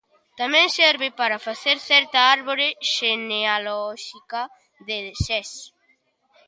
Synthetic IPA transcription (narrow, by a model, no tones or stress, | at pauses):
t̪amɛ̃ŋsɛɾβɪpaɾɐfaθeɾθɛɾt̪ɐaɾβoɾeʃenealɔʃikɐ | ðeðsɛs